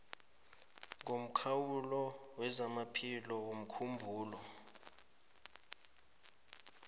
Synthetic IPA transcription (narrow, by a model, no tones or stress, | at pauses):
ŋʱom̩kʰawulɔwɛzamapʰilɔwom̩kʰumbʱuːlɔ